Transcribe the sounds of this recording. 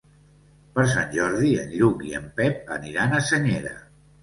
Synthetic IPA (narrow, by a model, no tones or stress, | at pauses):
pəɾs̬a̰nʲʒɔɾðiə̰niɾukiə̰mpɛp̚ə̰niɾanəsəɲeɾə̰